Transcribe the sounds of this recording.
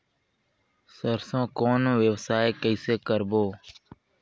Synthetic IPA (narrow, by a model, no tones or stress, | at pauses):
səɾsõːkoːnʋjəʋsaːekəiseːkəɾboː